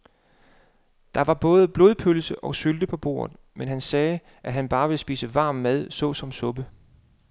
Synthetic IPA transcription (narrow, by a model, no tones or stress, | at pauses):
d̥ɑ̈ʋɑ̈b̥ɔ̽ːð̞ˠəb̥lo̝ð̞ˠpʰølsəʔɒ̽syld̥əpʰɒ̽b̥o̝̰ːɐ̰ðˠ | menɦænsɛː | ʔæɦænb̥ɑ̈ːʋe̝sb̥ḭːsəʋɑ̈ːmːæð̞ˠsɔ̽sɒ̽msɔ̽b̥ə